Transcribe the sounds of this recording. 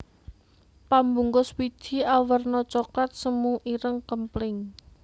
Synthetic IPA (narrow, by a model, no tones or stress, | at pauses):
pambuŋkʊswidʒ̥i̤awərnɔt͡ʃoklat̪̚səmuʔiɾəŋkəmplɪŋ